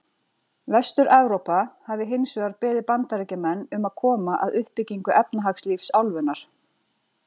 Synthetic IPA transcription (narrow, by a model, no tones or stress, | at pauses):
vɛst̪ʏɾʔɛwɾopahavɪɦɪjnsʏɣaɾpɛːðɪpant̪aɾɛcamɛnːʏmaðkʰɔːmaʔa̰ðʏhpɪcːiŋkʏʔɛpnaɦaksliːfsawlvʏnaɾ̥